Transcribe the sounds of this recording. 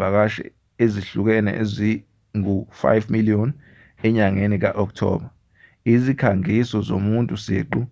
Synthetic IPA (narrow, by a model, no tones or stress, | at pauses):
ak̬aʃɛ̰ | eziɬuk̬ɛnɛ̰ʔezi | ŋufa̰jvmiliɔn | ɛɲaŋenik̬aʔɔk̬̚tʰɔ̰ːɓa | izikʰaŋisɔzomuntʼusḛːǃu